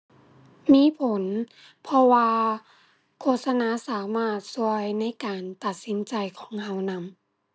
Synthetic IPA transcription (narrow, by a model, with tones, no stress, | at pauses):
miː˧˥˨pʰo˨˦n | pʰɔ˧waː˧ | kʰoː˧˩t̪̚sa˧naː˧˥˨saː˩˦maː˧˩t̪̚su˧˩əjna˧˥˨jkaː˨˩nt̪a˨˩t̪̚si˨˦nt͡ɕa˨˩jkʰɔː˩˦ŋha˧˩wna˧˥m